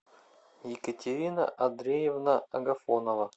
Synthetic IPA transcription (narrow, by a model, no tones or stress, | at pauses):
jɪkətʲɪɾʲinə̰ʔɐd̪ɾʲejɪvnaɐɡɐfonovɐ